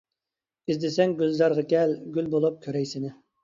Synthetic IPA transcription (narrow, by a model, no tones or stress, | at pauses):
izd̪ɪsɛŋɡʲylzɑɾʁɑkʲɛlɡʲylbolˠup̚kʲʰøɾɛjsɪnɪ